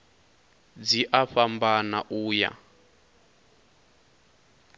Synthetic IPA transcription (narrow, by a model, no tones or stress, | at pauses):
d͡ziʔaɸambana̰ʔuːja̰